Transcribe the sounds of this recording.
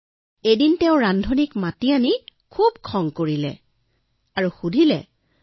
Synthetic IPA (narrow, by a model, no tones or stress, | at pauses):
ejdintɛʊ̃ɹandʱonikmatianikʰubkʰɔŋkoɹilɛ̰ | aɹuxudʱilɛ